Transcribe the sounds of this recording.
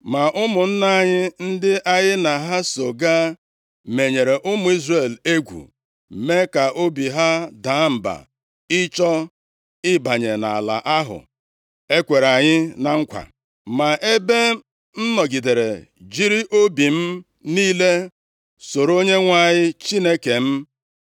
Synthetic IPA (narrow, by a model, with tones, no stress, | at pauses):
ma˨ʔʊ˦mʊ˨n̩˦na˦˨ɲɪ˦n̩˦dɪ˦ʔa˨ɲɪ˦na˨ɦa˦so˨ɡa˦ | me˨ɲe˨ɾe˨ʔʊ˦mʊ˨˦i˦zre˦˨le˦ɡʷṵ˨ | me˦ka˨ʔo˦bi˨ɦa˦daː˨˦m̩˨ba̰˨ | ɪ˦t͡ʃɔ˦ | ɪ˦ba˨ɲe˨na̰˨la̰˨ʔa˦ɦʊ̰˨ | e˦kʷe˨ɾa˨ɲɪ˦na˨ŋ̩˦kʷa̰˨ | ma˨ʔe˦be˦ | n̩˦nɔ˨ɡi˨de˨ɾe˨d͡ʒi˦ɾi˦ʔo˦bi˨m̩˦ | niː˦le˦ | so˨ɾo˦ɲe˦ŋʷa˦˨ɲɪ˦t͡ʃi˦ne˦ke˨m̩˦